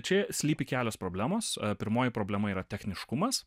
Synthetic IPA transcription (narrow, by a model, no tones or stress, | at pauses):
t͡ʃʲɛsʲlʲiːpʲɪkʲæːlʲoːspɾoːbʲlʲæːmoːspʲɪɾmoːjɪpɾoːblʲɛmɐiːɾɐt̪ʲɛxʲnʲɪʃkʊmɐs